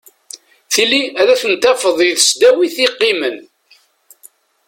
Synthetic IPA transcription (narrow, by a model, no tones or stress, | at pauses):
θilːiæðæθənt̪æfəðˤjiðəsd̪æwiθiqːimən